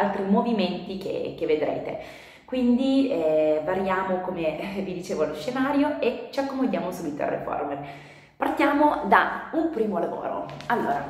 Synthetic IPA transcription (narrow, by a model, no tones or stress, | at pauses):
lt̪ɾimoviment̪ik̟ḛkevːed̪ɾḛːt̪ḛ | kwind̪iɛvaɾjaːmokomevid̪it͡ʃeːvaloʃːenaːɾjoet͡ʃiakːomod̪jaːmosuːbit̪oa̰rːḛfo̰rmer | part̪jaːmod̪aumpɾiːmolavo̰ːɾo̰alːoːɾa